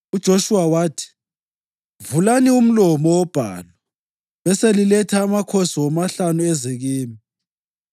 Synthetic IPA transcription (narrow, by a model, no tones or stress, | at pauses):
ud̥ʒ̥ʱoʃuwawaːtʰi̥ | vulanium̩lɔmɔwɔb̥ʱa̰ːlwa | βɛselilɛtʰaːmakʰosiwɔmaɬanuɛzeɣiːmi